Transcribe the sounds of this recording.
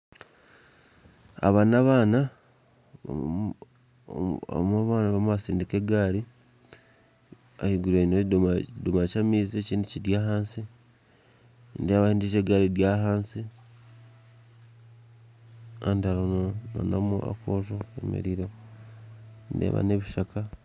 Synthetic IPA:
a̰βanaβaːna̰ | maβaːnaβamβasiːndikeɡaːɾi | ahiɡuleinodmadumat͡ʃamiːzeciːndiciɾjaːɦaːnsi | ndieβahiːndiʒeːɡaɾiɾjaːɦaːnsi | andalonana̰namuʔa̰koːʒoḛmḭɾiɾo | ndḛβa̰neβiʃaka

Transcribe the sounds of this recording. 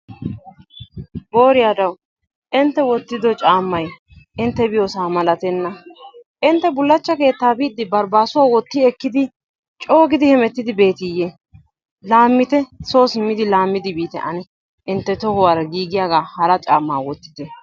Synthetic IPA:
bo̞ːɾɪjaːd̪ɐw | ʔɪnt̪ːɛwɔt̪ːɪd̪ɔt͡ʃʼaːmːɐj | ʔɪnt̪ːɛbɪjoːsaːmɐlɐt̪ɛnːɐʔɪnt̪ːɛbʊlːɐt͡ʃːɐke̞ːt̪ːaːbiːd̪ːɪbɐɾbaːsʊwaːwɔt̪ːiɛkːɪd̪ɪ | t͡ʃʼo̞ːɡɪd̪ɪhɛmɛt̪ːɪd̪ɪbe̞ːt̪ɪjːɛ | laːmːɪt̪ɛso̞ːsɪmːɪd̪ɪlaːmːɪd̪ɪbiːt̪ɛ̰ʔɐnɛ | ʔɪnt̪ːɛt̪ɔhɔwaːɾɐɡiːɡɪjaːɡaːhɐɾɐt͡ʃʼaːmːaːwɔt̪ːɪ̥t̪ɛ

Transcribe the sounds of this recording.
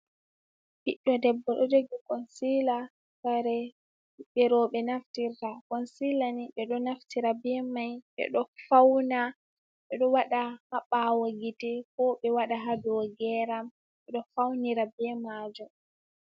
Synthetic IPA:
biɗːɔdɛbːɔɗɔd͡ʒoɡikɔnsila | saɾɛ | ɓɛɾɔɓɛnaftiɾtakɔnsilaniɓɛɗɔnaftiɾabɛmajɓɛ̰ɗɔfawna | ɓɛɗɔwaɗahaɓawaɡitɛkɔɓɛwaɗaɦadɔɡɛɾam | ɓɛɗɔfawniɾabɛmad͡ʒɔ

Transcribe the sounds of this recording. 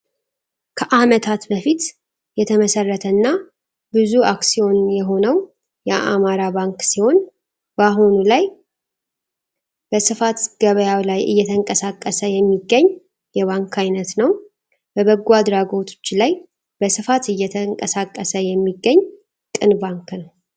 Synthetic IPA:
kʰəʔamət̪ʰat̪bəfit̪ | jɛt̪ʰəməsərːət̪ʰənːa | bɨzuʔaksijo̞njɛɦo̞nəw | jɛʔa̰maɾabaŋksiho̞n | baɦunulaj | b̥əsɨfat̪ɡ̥əβəjawlajʔɨ̰jːɛt̪ʰəŋkʼəsakʼːəsəjɛmːiɡːəɲː | jɛβaŋkʰajnət̪nəw | bəβəɡuad̪ɾaɡo̞t̪ʰo̥t͡ʃːlaj | b̥əsɨfat̪ɨjːɛt̪ʰəŋkʼəsakʼːəsəjɛmːiɡːəɲː | kʼɨnbaŋknəw

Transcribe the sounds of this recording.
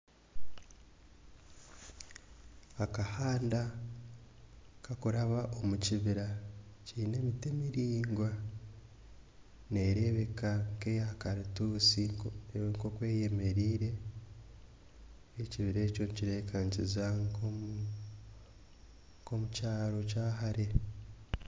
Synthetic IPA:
akahaːnda | kakuɾaβaʔo̞muciβiɾacine̞mitemiɾiːŋɡwa | ne̞ːɾe̞βe̞kaŋkejakaɾituːsiŋko̞kwe̞ːjeme̞ɾiːɾe̞ | ciβiɾe̞ːco̞nciɾeːkʰaɲcizako | ko̞mucaːɾo̞caːɦaɾe̞

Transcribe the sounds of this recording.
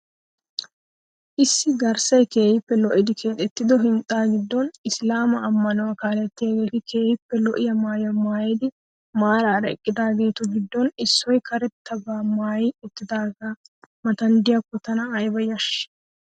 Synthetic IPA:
ʔɪsːɪɡɐɾsɐjke̞ːhɪpːɛlɔʔɪd̪ɪkʰeːt̪ʼɛt̪ːɪd̪ɔɦɪnt̪ʼːaːɡɪd̪ːɔnɪslaːmɐːmːɐnɔwakaːlɛt̪ːɪjɐɡe̞ːt̪ɪkʰe̞ːjɪpːɛlɔʔɪjɐmaːjɐmaːjɛd̪ɪ | maːɾaːɾɐɛ̰kʼːɪd̪aːɡe̞ːt̪ʊɡɪd̪ːɔnɪsːɔjkɐɾɛt̪ʰːɐbaːmaːjɛɪt̪ːɪd̪aːɡaːmɐt̪ɐnd̪ɪjɐkːɔt̪ɐnɐːjbɐjɐʃ

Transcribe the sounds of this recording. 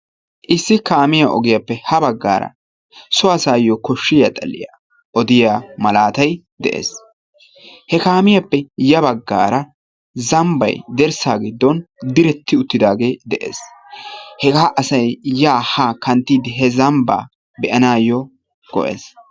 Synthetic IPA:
ʔɪsːɪkaːmɪjaʔɔ̰ɡɪjɐpːɛhɐbɐɡːa̰ːɾɐ̰ | sɔɐsaːjːɔkɔʃːɪjɐ̰t̪ʼɐ̰lːɪ̰ja̰ː | ʔɔd̪ɪjaːmɐlaːt̪ɐj | d̪ɛ̰ʔḛːs | hɛkaːmɪjɐpːɛjɐbɐɡːa̰ːɾɐ | zɐmbɐ̰jd̪ɛɾsaːɡɪd̪ːɔnd̪ɪɾɛt̪ːɪʊt̪ːɪd̪aːɡe̞ːd̪ɛʔḛːs | hɛɡaːʔɐsɐjjaːhaːkɐnt̪ːiːd̪ɪɦɛzɐmba̰ː | bɛʔɐnaːjɔ | ɡ̥ɔ̰ʔḛːs

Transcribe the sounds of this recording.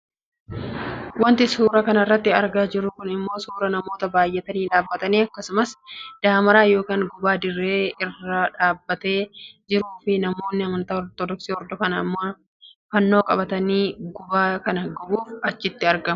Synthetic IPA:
wɐnt̪ɪsuːɾɐkɐnɐɪrːɐt̪ːɪɐɾɡaːd͡ʒɪɾːʊkʊnɪmːo̞ːsuːɾɐnɐmo̞ːt̪ɐbaːjːɛt̪ɐniːᶑaːbːɐt̪ɐniːɐkːɐsʊmɐsd̪̥aːmɐɾaːjo̞ːkaːŋɡʊbaːd̪ɪrːe̞ːɪrɐᶑaːbːɐt̪e̞ːd͡ʒɪɾuːfɪnɐmo̞ːnːɪɐmɐnt̪ɐːɔɾt̪ɔd̪ɔksiːhɔɾd̪ɔfɐnɐɪmːɐ | fɐnːo̞ːkʼɐbɐt̪ɐniːɡʊbaːkɐnɐɡɔbuːfɐt͡ʃːɪt̪ːɪɐɾɡɐm

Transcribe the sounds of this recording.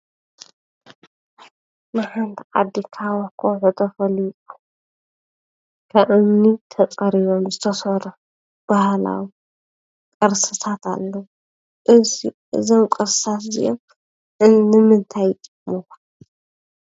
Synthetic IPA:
maħant̪ʰiʔʼa̰d̪ikʰawokʼʰowħut̪ʰɐfɐluu | kʰaʔɨnːit̪ʰɐkʼɐɾiβomzɨt̪ʰɐsɐɾɐ | b̥ahla̰wi | kʼɨɾsɨt̪ʰat̪ʰa̰lːɐwu | ʔɨsiʔɨzomkʼɨɾsɨt̪aszḭʔom | ʔɨnːɨmɨnt̪ʰaj | mo

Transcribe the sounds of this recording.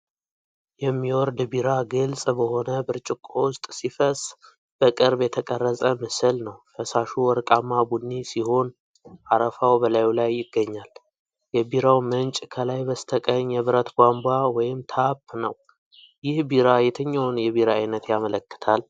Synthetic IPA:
jɛmːiwɔɾd̪biɾaɡɨlsʼbəho̞nəbɨɾt͡ʃʼɪkʼowʊst̪ʼsifəs | b̥əkʼɨɾbjɛt̪ʰəkʼərːəsʼəmɨsɨlnəwfəsaʃuwɔɾkʼamːabunːisiho̞n | ʔaɾəfawbəlajlajːɪɡːəɲːal | jɛbiɾawmənt͡ʃʼkʰəlajbəst̪ʰəkʼəɲjɛβɨɾət̪bʷambawɔjɪmt̪ʰapːnəw | jɪhbiɾajɛt̪ʰəɲːawnjɛβiɾaːjnət̪jamələkːɨ̥t̪ʰal

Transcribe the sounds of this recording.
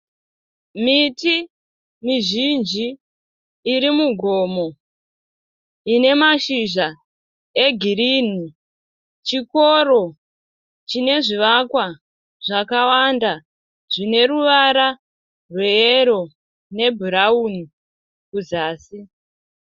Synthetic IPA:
miti | miʒind͡ʒiː | ɾimuɡʱo̞mo̞ | ine̞maʃiʒa | e̞ɡʱirini | t͡ʃiko̞ɾo̞ | t͡ʃine̞ʐiʋakwa | ʐakawanda | ʐine̞ɾuʋaɾa | rwe̞eɾo̞ | ne̞bʱuɾauni | kuzaːsi

